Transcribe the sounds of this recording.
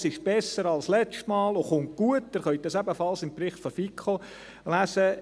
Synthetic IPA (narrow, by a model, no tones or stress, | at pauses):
sɪʃb̥ɛsəɾɑlslɛt͡ʃtmɑːloχʊŋt̚ɡ̥uətːæːɾχœʏt̚d̥ɑsæbəfɑlsɪmpɾɪχt̪fɔfikχo | læsə